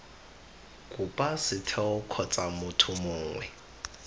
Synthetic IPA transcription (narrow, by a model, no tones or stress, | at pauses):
kʼupʼasɪtʰɛʊkʰɔt͡sʼamʊtʰʊmʊːŋwɛ